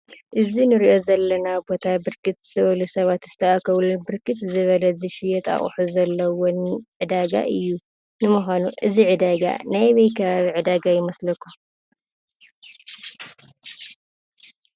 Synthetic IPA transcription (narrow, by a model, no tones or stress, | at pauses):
ʔɨzinɨɾiʔo̞zɐlːɐnabo̞t̪ʰabɨɾkʰɨt̪zɨ̥t̪ʰɐβɐlusɐβat̪zɨt̪ʰɐʔakʰɐβlunbɨɾkʰɨt̪zɨβɐlɐzɨʃɪjɛt̪a̰χʼħuzɐlːɐwonʕɨd̪aɡa̰ʔɨjːu | nɨmuxʷanuʔɨziʕɨd̪aɡa̰najβɐjkʰɐβaβiʕɨd̪aɡajɪmɐslɐkʰːu